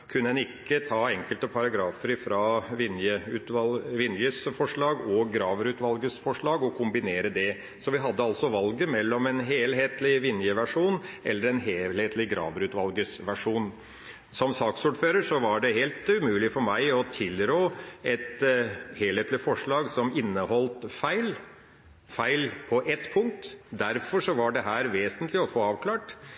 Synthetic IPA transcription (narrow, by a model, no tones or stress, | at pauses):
kʰʉnːəɛnɪkːət̪ʰɑːɛŋkəlt̪əpʰɑɾɑɡɾɑːfəɾfɾɑʋɪnjəʉt̪ʋɑʋɪnjəsfɔʂɭɑːɡɔɡɾɑːʋɾʉːt̪ʋɑlɡəsfɔʂɭɑːɡɔkʰʊmbɪneːɾəd̪ɛ | sɔʋɪɦɑd̪ːəɑlt̪sɔʋɑlɡəmɛlːɔmɛnɦeːlɦeːt̪lɪʋɪnjəʋæʂuːnʔɛlːəɾɛnɦeːheːt̪ʰlɪɡɾɑ̰ːʋɾʉːt̪ʋɑlɡəsʋæʂuːn | sɔmsɑːksuːɖføːɾəʂɔʋɑɖɛɦeːlt̪ʉmʉːlɪfɔɾmæɪɔt̪ʰɪlɾoːɛt̪heːlheːt̪lɪfɔʂɭɑːɡsɔmɪnːəhɔlt̪fæɪl | fæɪlpʰɔʔɛt̪ːpʰʊŋk̚t̪d̪æɾfɔʂɔʋɑɖɛɦæːɾʋeːsənt̪lɪɔfoːɑːʋkʰlɑːʈ